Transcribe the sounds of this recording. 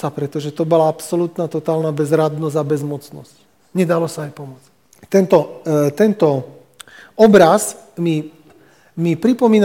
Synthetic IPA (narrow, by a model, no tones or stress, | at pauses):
sapɾɛt̪ɔʒɛt̪ɔbɔlaapsɔlut̪nat̪ɔt̪aːlnabɛzɾad̪nɔzabɛzmɔt͡snɔsc | ɲɛd̪alɔsaːjpɔmʊɔt͡s | t̪ɛnt̪ɔt̪ɛnt̪ɔ | ɔbɾazmi | mipɾipɔmiːn